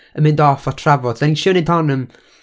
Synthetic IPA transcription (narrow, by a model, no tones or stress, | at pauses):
əmɪndɔfɔtʰravɔdaniʃəːnɪdʰɔnəm